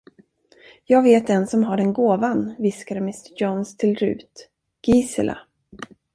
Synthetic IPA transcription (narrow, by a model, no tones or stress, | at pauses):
jɑːɡveːt̪̚d̪ɛnsɔmɦaɖɛnɡoːvanvɪskaɾmɪst̪əjɔnst̪ʰɪlɾʉ̟̰ːt̪ | ɡ̥iːsɪ̰lʔa̰